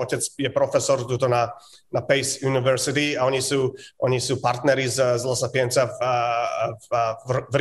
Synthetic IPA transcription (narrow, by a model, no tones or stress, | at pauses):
ɔcɛt͡sjɛpɾɔfɛsɔɾt̪ut̪ɔna | napɛjsjunivɛɾsit̪iaɔɲisuːʔɔɲisuːpaɾt̪nɛɾizzlˠɔsapiɛnt͡sa | vr